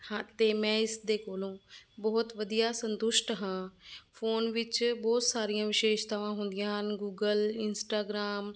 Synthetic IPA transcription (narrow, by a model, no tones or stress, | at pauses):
hãːt̪eːmɛ̃ːɪsd̪eːkoːlõːbɔːt̪ʋəd̪ijaːsənt̪ʊʃʈɦãːpʰoːnʋɪt͡ʃbɔːt̪saːɾijãːʋɪʃeːʃt̪aːʋãːɦʊnd̪ɪjãːɦənɡuːɡəlɪnsʈaːɡɾaːm